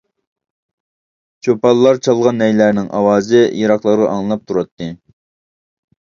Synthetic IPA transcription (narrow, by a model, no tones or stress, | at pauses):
t͡ʃʰopɑlˠːɑɾt͡ʃʰɑlˠʁɑnːɛjlæɾnɪŋʔɑ̰wɑːzɪjiɾɑqlˠɑɾʁɑ̰ʔɑŋlˠɨnˠɑp̚t̪ʰuɾɑt̪ʰːɨ